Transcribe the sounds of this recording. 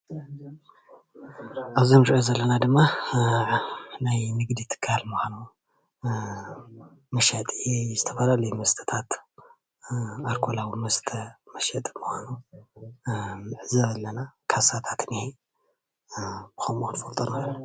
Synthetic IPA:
ʔaβzomɾiʔozɐlːɐnad̪ɨmːa | najnɨɡd̪it̪ʰɨ̥kʰːalmuxʷanu | mɐʃɐt̪ʼezɨt̪ʰɐ̥fɐlalɐjumɐst̪ʰɐ̥t̪ʰat̪ | aɾkʰolawimɐst̪ʰɐmɐʃɐt̪ʼmɨxʷanu | mɨʕɨzɐβɐlːɐnakʰasat̪ʰat̪nihe | b̥ɨxomuxɨnfolt̪ʼɐna

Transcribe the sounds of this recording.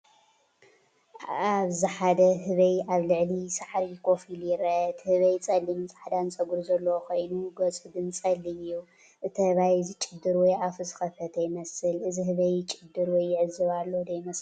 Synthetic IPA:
aβziħad̪ɐɦɨβɐjʔaβlɨʕlisaħɾikʰʼo̞filjɪɾɐɨt̪ʰhɨβɐjt͡sʼɐlːimsʼaħd̪ansʼɐɡuɾzɐlːɐwokʰo̞jnuɡɐt͡sʼɨbɨnt͡sʼɐlːiɨjːu | ʔɨt̪ʰɐhɨβajzit͡ʃʼɪd̪ːɨɾwɔjʔafɨzɨ̥xɐfʰɐt̪ʰɐjɪmɐsɨlɨziɦɨβɐjt͡ʃʼɪd̪ːɨɾwɔjːɪʕɨzːɨβalːod̪ɐjmɐs

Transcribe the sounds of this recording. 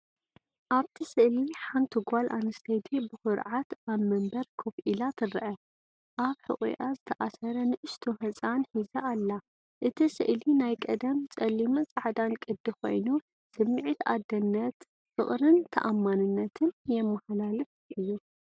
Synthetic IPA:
ʔaβt̪ʰisɨʔliħant̪ʰɨɡʷalʔanɨst̪ʰɐjd̪ʰebɨxʊɾʕat̪aβmɐmbɐɾkʰofʔilat̪ʰɨɾɨʔɐ | ʔaβħɨ̰χʼṵjʔazɨt̪ʰɐʔasɐɾɐnɨʔɨʃt̪ʰohɐt͡sʼanħizɐʔːlːa | ʔɨt̪ʰisɨ̰ʔlinajkʼɐd̪ɐmt͡sʼɐlːimɨnt͡sʼaʕd̪ankʼɨd̪ːixo̞̰jnu | sɨmːɨʕit̪a̰d̪ːɐnːɐt̪ | fɨχʼɾɨnt̪ʰɐ̰ʔamːanɨnːɐt̪ʰɨnjɛmːɐhalalɨfʔɨjːu

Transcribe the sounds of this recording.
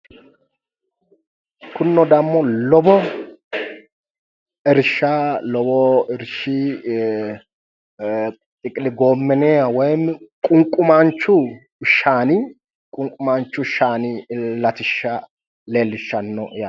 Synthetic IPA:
kʰʊnːɔd̪ɐmːɔlɔbɔ | ɪɾʃalɔbɔɪɾʃɪ | tʼɪkʼɪlɪɡoːmːɛneːawɔjmɪkʼʊŋkʼʊmant͡ʃːʊ | ʃaːnɪ | kʼʊŋkʼːʊmant͡ʃːʊʃaːnɪlɐt̪ɪʃːa | le̞ːlːɪʃːɐnːɔ̰ja

